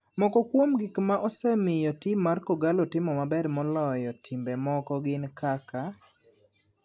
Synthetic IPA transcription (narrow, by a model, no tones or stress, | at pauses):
mɔkɔkwomɡikmaʔɔsɛmɪjɔtimːarkɔɡalɔtɪmɔmabɛdmɔlɔjɔtʰimbɛmɔkɔɡɪnkaka